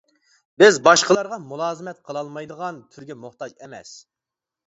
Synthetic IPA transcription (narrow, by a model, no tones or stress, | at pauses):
bɪzbɑʃqʰəlˠɑɾʁɑmulˠɑːzɨmɛt̪̚qʰəlˠɑlˠmɑjd̪əʁɑnt̪ʰyɾɡʲɛmʊχt̪ɑd͡ʒemɛ̰s